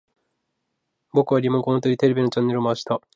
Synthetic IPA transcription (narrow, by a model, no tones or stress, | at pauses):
bo̞kɯ̟βaɾʲimoŋkoõt̪oɾʲit̪e̞ɾe̞bʲino̞t͡ɕanːe̞ɾɯmoaɕi̥t̪a